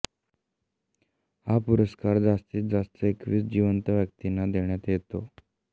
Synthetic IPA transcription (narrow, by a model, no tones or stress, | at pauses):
hapuɾəskaɾd͡zast̪iːt̪̚d͡zast̪əekʋiːsd͡ʑiʋənt̪əʋjək̚t̪inad̪eɳjat̪jet̪o